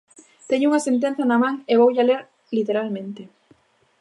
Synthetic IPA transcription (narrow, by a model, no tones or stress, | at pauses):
t̪eɲʊuŋɐsent̪̬ẽn̟θjanɐmãŋeβowʎaleɾ | lit̪eɾalmẽnt̪e